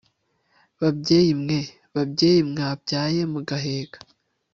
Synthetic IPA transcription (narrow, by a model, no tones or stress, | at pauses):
βabɟeːjimŋe̞ | βabɟe̞ːjimŋaːb̚ɟaːje̞muɡaɦe̞ːɡ̥ḁ